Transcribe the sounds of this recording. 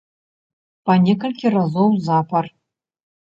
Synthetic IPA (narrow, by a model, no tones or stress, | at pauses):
pɐnʲɛkɐlʲkʲirazowzapɐr